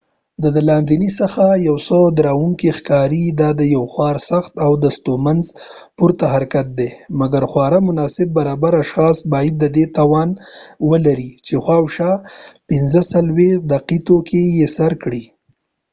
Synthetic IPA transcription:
d̪əd̪əlɑnd̪inisəxajawsəd̪ɾawuŋkixkɑɾid̪ɑd̪əjawxwɑɾsaxt̪awd̪əst̪omanz | puɾt̪aɦaɾkat̪̚d̪emaɡaɾxwɑɾamʊnɑsɪb̚ːaɾɑbaɾaʃxɑsbɑjad̪̚ːəd̪et̪ɑwɑnwəlaɾit͡ʃexwɑwʃɑpɪnzəsalwex̚d̪aqit̪okejesaɾkɽi

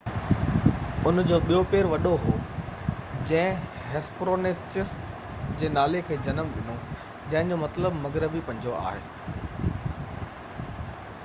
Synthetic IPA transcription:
ʊnd͡ʑoːɓijopeːɾʋɐɗoɦoː | d͡ʑɐ̃ɦɪ̃ | ɦɛspɾoːnɪst͡ɕɪs | d͡ʑeːnaːlekʰeːd͡ʑɐnəmʋɪno | d͡ʑɐ̃ɦɪ̃ɲd͡ʑomɐt̪ləbmɐɡɾəbipɐ̃ɲd͡ʑoa̰ːɦḛː

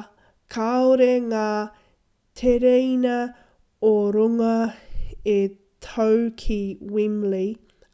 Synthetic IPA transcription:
kʰaoɾeŋaː | tʰeɾejnɐ | oɾuŋɐ | e | tʰowkʰiwimli

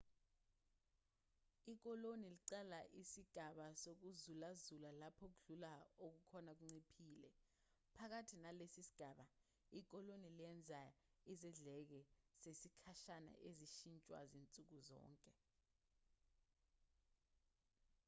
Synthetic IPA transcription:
ik̬ɔloniliǀɛlaʔisiɡ̥ʱaɓasok̬uzulazulalapʰok̬uɮulaok̬ukʰɔnak̬uŋ͡ǀipʰiːlɛ | pʰak̬atʰinalesisi̥ɡ̥ʱaːɓa | ik̬ɔloniliɛnd͡zʱa | izɛɮɛk̬ɛsesikʰaʃana̰ʔeziʃint͡ʃʼwa̰zint͡sʼuk̬uzɔ̰ːŋkʼɛ

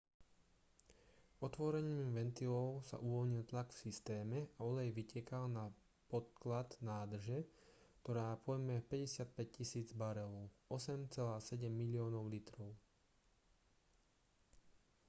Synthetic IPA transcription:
ɔt̪ʋɔɾɛɲiːmʋɛnt̪ilɔʊsa̰ʔuʋɔlɲilt̪laɡfsist̪ɛːmɛʔaɔlɛjʋicɪɛkalna | pɔt̪klad̪naːd̪r̩ʒɛ | kt̪ɔɾaːpɔjmɛpɛɟɛsɪat̪̚pɛc̚cisiːd͡zbaɾɛɔɔsɛmt͡sɛlaːsɛɟɛmːilɪɔːnɔʊlit̪ɾɔʊ

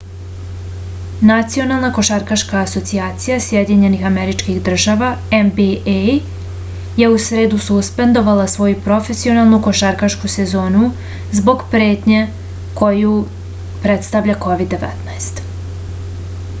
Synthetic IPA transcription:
nat̪sio̞nalˠnako̞ʃaɾkaʃkaːso̞t̪siaːt̪sijasjed̪iɲe̞nixameɾit͡ʃkixd̪r̩ʒaʋaembie | je̞usɾe̞ːd̪ususpe̞nd̪o̞ʋalˠasʋo̞jupɾo̞fe̞sio̞nalˠnuko̞ʃaɾkaʃkuse̞zo̞ːnu | zbo̞ɡpɾe̞ːt̪ɲe | ko̞ju | pɾet̪st̪avʎako̞ʋid̪ːe̞ʋɛ̰t̪naest̪

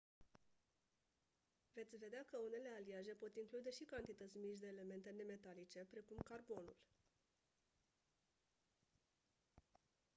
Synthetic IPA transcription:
ve̞t̪sʲve̞d̪eakəune̞le̞aliaʒe̞po̞t̪iŋklud̪e̞ʃikant̪it̪ət̪sʲmit͡ʃ̬d̪e̞ːle̞me̞nt̪e̞ne̞me̞t̪alit͡ʃe̞pɾe̞kumkarbo̞nṵl

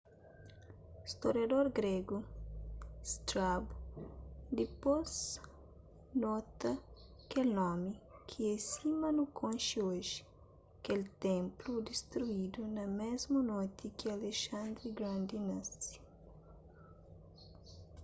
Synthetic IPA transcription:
ist̪oɾjad̪oɾɡɾeɡu | ist̪ɾab | d̪ipoz | nɔt̪ɐ | kelnɔ̃mikʰiɛsimɐnukʰõnʃioʒi | kelt̪ẽmplud̪ist̪ɾuid̪unɐmezmunojt̪ʰikialeʃãnd̪ɾiɡɾãnd̪inasi̥

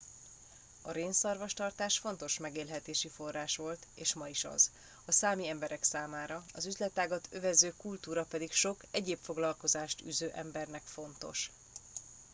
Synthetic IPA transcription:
ɒɾeːnsɒrvɒʃt̪ɒrt̪aːʃfo̞n̪t̪o̞ʃmɛɡeːlɦɛt̪eːʃifo̞rːaːʃʋo̞lt̪eːʃmɒiʃɒ̰z | ɒsaːmiɛmbɛɾʔɛksaːmaːɾɒɒzyzlɛt̪ːaːɡɒt̪ʰø̞vɛzøːkult̪uːɾɒpɛd̪ikʃo̞kɛɟeːpfo̞ɡlɒlko̞zaːʃt̪y̰ːzøːʔɛmbɛrnɛkfo̞n̪t̪o̞̰ʃ

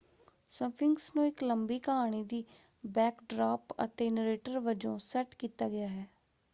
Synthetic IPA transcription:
sə̃pʰɪŋɡsnũːɪkləmbiːkəɦaːɽ̃iːd̪iː | bɛːkɖɾaːpə̰t̪eːnɾeːʈəɾʋəd͡ʒõːsɛʈkiːt̪aːɡɪjaːɦɛː

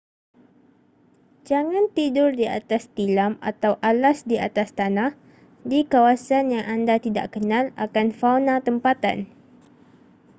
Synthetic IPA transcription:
d͡ʒaŋãnt̪idʊrdia̰t̪ast̪ilama̰t̪awʔalasdia̰t̪ast̪anah | dikawasanjaŋʔandat̪ida̰ʔkənãla̰kanfawnat̪əmpat̪a̰n

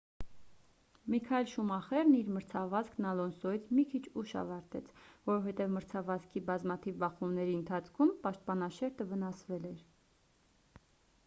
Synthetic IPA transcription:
mikʰɑɛlʃumɑχɛɾniɾməɾt͡sʰɑvɑzknɑlɔnsɔit͡sʰmikʰit͡ʃʰuʃɑ̰vɑɾt̪ɛt͡sʰvɔɾɔvhɛt̪ɛvməɾt͡sʰɑvɑzkʰibɑzmɑt̪ʰivbɑχumnɛɾiənt̪ʰɑt͡sʰkʰumpɑʃt̪̚pɑnɑʃɛɾt̪əvənɑsvɛlɛɾ

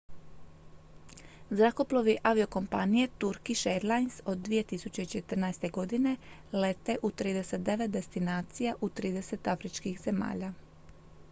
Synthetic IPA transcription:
zɾako̞plˠoʋiʔaʋio̞ko̞mpanije̞t̪uɾkiʃeɾlˠajnso̞d̪ːʋije̞t̪isut͡ɕe̞it͡ʃe̞t̪ər̩najst̪e̞ɡo̞d̪ine̞ | le̞t̪e̞ʔut̪ɾiːd̪e̞se̞t̪̚d̪e̞ʋe̞t̪̚d̪e̞st̪inaːt̪sijaʔut̪ɾiːd̪e̞se̞t̪afɾit͡ʃkixz̥e̞ma̰ːʎa

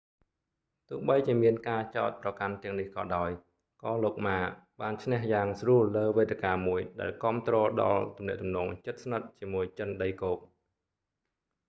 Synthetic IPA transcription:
t̪ʊ̆əhɓəjt͡ɕiəmiənkaːt͡ɕa̰ɔt̪̚prɑkant̪ɛ̆əŋnihkɑ̰ːɗaɔj | kɑːloːk̚maːɓaːnt͡ɕʰnehjaːŋsruəlːəːʋeːt̪ekaːmuəjɗaɛlkŏəmt̪rɔːɗɑ̰lt̪umnɛ̆əʔt̪umnɔːŋt͡ɕət̪̚snət̪̚t͡ɕiəmuəjt͡ɕənɗəjkoːk̚

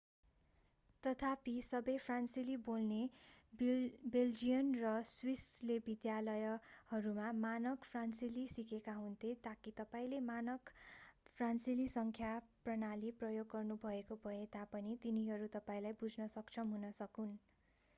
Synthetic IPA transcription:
t̪ʌt̪ʰapisʌbʌjpʰransilibolne | beld͡zijʌnrʌswislebid̪jalʌjʌhʌɾumamanʌkpʰransilisikekaɦunt̪ʰet̪akit̪ʌpaĩlemanʌkpʰransilisʌŋkʰjaprʌnaliprʌjoɡːʌrnubʱʌekobʱʌet̪apʌnit̪iniɦʌɾut̪ʌpaĩlajbud͡zʱnʌsʌkt͡sʰʌmɦunʌsʌkun

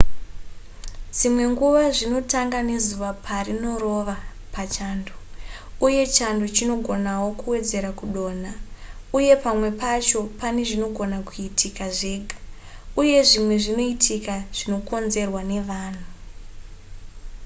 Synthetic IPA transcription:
d͡zimwe̞ŋɡuʋaʐino̞taŋɡane̞zuʋapʰarino̞ɾo̞ʋa | pat͡ʃaːndo | uje̞t͡ʃandot͡ʃino̞ɡʱo̞nawo̞kuwe̞d͡ze̞ɾakuɗo̞ːna | uje̞pamwe̞pat͡ʃo̞pane̞ʐino̞ɡʱo̞nakuitʰikaʐe̞ːɡʱa | uje̞ʐimwe̞ʐino̞itʰikaʐ̥ino̞ko̞nze̞rwane̞ʋaːn̤u

